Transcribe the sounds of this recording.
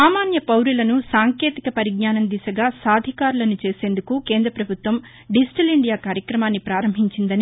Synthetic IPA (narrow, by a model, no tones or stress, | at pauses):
aːmaːnjɐpɐwɾulɐnusaːŋke̞ːt̪ikɐpɐɾiɡ̚ɲaːnɐnd̪isɐɡaːsaːd̪ʱikaːɾulɐnut͡ʃe̞ːse̞ːnd̪ukuke̞ːnd̪ɾɐpɾɐbʱut̪ʋɐm | ɖisʈɐliɳɖijaːkaːɾjɐkɾɐmaːnːipɾaːɾɐmbʱiɲt͡ʃind̪ɐni